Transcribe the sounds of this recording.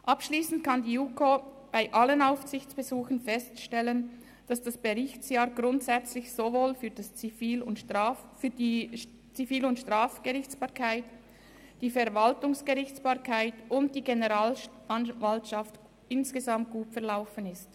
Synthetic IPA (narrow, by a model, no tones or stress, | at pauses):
ʔapʃliːsn̩tkʰandiːukʰo | b̥aɪʔalənaʊfsɪçt͡sb̥ɛzuːxən̩fɛstʃtɛlən | d̥asd̥asb̥eʁɪçtsjaːɾɡʁʊntsɛt͡slɪçsovoːlfyːɾd̥ast͡sifiːlʊnfyːdiː | t͡sifiːlʊntʃtʁ̥aːfɡ̥əʁɪçt͡sb̥aːʁkʰaɪt | d̥iːfɛʁvaltʊŋsɡ̥eʁɪçt͡sb̥aːɾkʰaɪtʊnt̚d̥iːɡenəʁaːlʔanvaltʃaft | ɪnsɡ̥əzamt̚ɡ̥uːtfɛɐʁlaʊfənɪst